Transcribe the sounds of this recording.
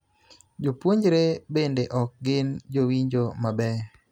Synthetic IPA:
d͡ʒopwoɲd͡ʒɾebendeʔɔk̚ɡɪnd͡ʒowiɲd͡ʒomabɛ

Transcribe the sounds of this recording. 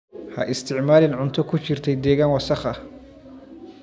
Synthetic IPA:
hɐ̰ʔɪst̪ʰɪʕmaːlɪnʕʊnt̪ʰɔkʰʊt͡ʃɪrt̪ʰɛjd̪ɛːɣaːnwɑsɑχɐ

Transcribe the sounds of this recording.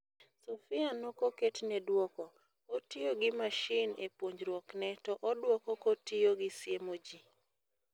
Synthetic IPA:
sofɪanɔkoketnɛdwɔkɔ | otioɡɪmaʃɪnepwoɲd͡ʒɾwɔknɛtɔʔɔdwɔkɔkotioɡɪsjemod͡ʒi

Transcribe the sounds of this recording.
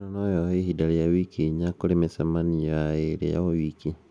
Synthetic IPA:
anɔjɔeɦidaɾijawikiɲakoɾemesamanijaeɾḛja̰owiki

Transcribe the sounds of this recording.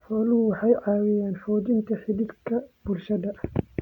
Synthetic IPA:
ħɔlʊʊwɑħɑjʕɑːwɪjɛːnħɔːd̪ɪnt̪ʰɐħɪd̪iːd̪kʰɐbʊlʃɐd̪ɐʔ

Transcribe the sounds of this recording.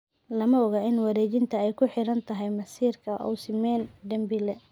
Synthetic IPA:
lɐmɐɔɣɐɪnwɐɾɛːt͡ʃɪnt̪ʰɐɛjkʰʊħɪɾɐnt̪ʰɐɦɛjmɐsiːrkʰɐʔɔ̰wsɪmɛːnd̪ɐmbɪlɛ

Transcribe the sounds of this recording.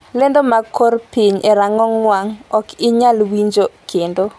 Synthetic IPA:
lendomakorpiɲʔeɾaŋɔŋwaŋɔkɪɲalwiɲd͡ʒokʰendo

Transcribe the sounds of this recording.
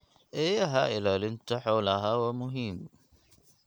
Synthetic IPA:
ʔejaɦaːʔɪlalɪnt̪aħawlaɦawamʊɦim

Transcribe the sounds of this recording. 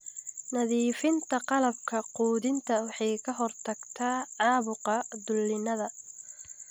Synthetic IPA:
nɐðiːfɪnt̪ʰɐqɑlɐb̚kʰɐquːðɪnt̪ʰɐwɑħɑjkʰɐɦɔrt̪ʰɐɡt̪ʰaːʕɑːβʊqɐd̪ʊlːɪnɐðɐ

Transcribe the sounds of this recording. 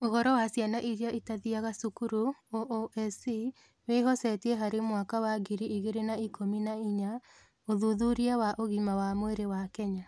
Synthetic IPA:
ohɔɾɔwasjanaʔiɾiaitaðiaɣasukuɾuoʔoʔɛsi | weɦɔsɛtiɛɦaɾemwakawaɡiɾiiɣeɾenaikʰominaiɲa | oðuðuɾiawaʔoɣimawamoeɾewakɛɲa

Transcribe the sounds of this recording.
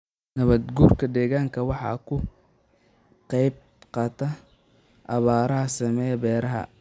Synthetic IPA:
nɐβɐd̪ɡuːrkʰɐd̪ɛːɣaːŋkʰɐwɑħɑ̰kʰʊ | qɑjb | qɑːt̪ʰɐ | ʔɑβaːɾɐɦɐsɐmɛjbɛːɾɐɦɐ̰

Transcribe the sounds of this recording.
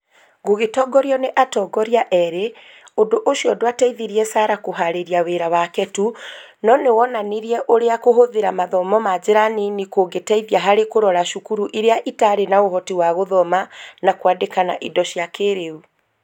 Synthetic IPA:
ɡoɣetɔɡɔɾiɔneʔatɔɡɔɾiaʔɛɾe | odoʔoʃiɔdoatɛiðiɾiɛsaɾakoɦaɾeɾiaweɾawakɛtu | nɔnewɔnaneɾiɛʔoɾeakoɦoðeɾamaðɔmɔmad͡ʑeɾaninikoɡetɛiðiaɦaɾekoɾɔɾaʃukuɾuʔiɾeaʔitaɾenaohɔtiwaɣoðɔmanakwadekana̰ʔidɔʃjakeɾeu

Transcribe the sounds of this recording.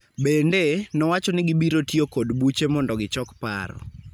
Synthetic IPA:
bendenɔwat͡ʃɔnɪɡibiɾotiokodbut͡ʃemɔndɔɡɪt͡ʃɔkpa̰ɾɔ̰

